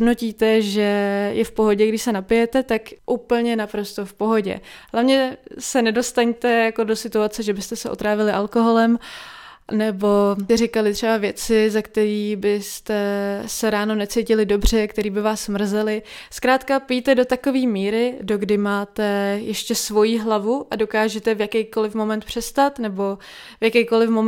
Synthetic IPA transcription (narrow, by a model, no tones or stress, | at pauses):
dnociːt̪ɛʒɛjɛfpo̞ɦo̞ɟɛɡdɪʃsɛnapɪjɛt̪ɛt̪akʔuːpl̩ɲɛnapɾo̞st̪o̞fpo̞ɦo̞ɟɛ̰ɦlavɲɛsɛnɛdo̞st̪aɲt̪ɛjako̞do̞sɪt̪uat͡sɛʒɛbɪst̪ɛsɛʔot̪ɾaːvɪlɪʔalkoɦo̞lɛm | nɛbo̞ɛɾɪkalɪt̪r̝̥ɛbavjɛt͡sɪzakt̪ɛɾiːbɪst̪ɛsɛɾaːno̞nɛt͡sejcɪlɪdo̞br̝ɛkt̪ɛɾiːbɪvaːsmr̩zɛlɪskɾaːt̪kapijt̪ɛdo̞t̪ako̞viːmiːɾɪdo̞ɡdɪmaːt̪ɛjɛʃcɛsvo̞jiɦlavuʔado̞kaːʒɛt̪ɛvjakɛjko̞lɪfmo̞mɛnt̪̚pr̝̥ɛst̪at̪nɛbo̞ | vjakɛjko̞lɪfmom